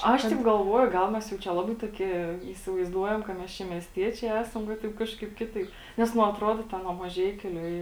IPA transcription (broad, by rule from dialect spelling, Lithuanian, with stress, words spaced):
ˈɐʃ tʲɛɪp ɡɐlˠˈʋuɔjʊ ˈɡɐlˠ mʲɛs jɛʊ ˈt͡ʃʲɛ ˈlˠɑːbɐɪ toːˈkʲiɛ iːsʲɪʋɐɪzˈduɔjɛm kɐ ˈmʲɛs ˈt͡ʃʲɛ mʲiɛsʲˈtʲiɛt͡ʃʲɛɪ ˈæːsɐm ʋɐ ˈtɐɪp ˈkɑːʃˌkɐɪp ˈkʲɪˌtɐɪp ˈnʲɛs nʊ ɐtˈruɔdoː ˈtʲɛn nuɔ mɐˈʒʲɛɪkʲʊ lʲɪ